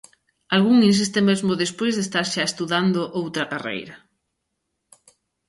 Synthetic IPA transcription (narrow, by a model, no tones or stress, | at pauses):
alɣuŋins̬ist̪emezmʊðespojzðest̪aɾʃaest̪uðand̪ʊʔowt̪ɾɐkarḛjɾɐ